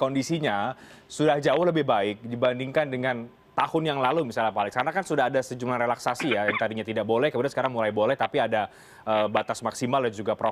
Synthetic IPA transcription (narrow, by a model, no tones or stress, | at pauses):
kondisiɲasudahd͡ʒaʊhləbɪhbaɪk̚dibandiŋkandəŋan | t̪ahʊnjaŋlalumisalapalɪŋsarnakansudaɦadasəd͡ʒumlarelaksasijajaŋt̪adiɲat̪idaʔ̚bolɛhkəmudansə̥kaɾaŋmulaibolɛht̪apiada | ʔəbat̪asmaksimaljad͡ʒuɡapɾo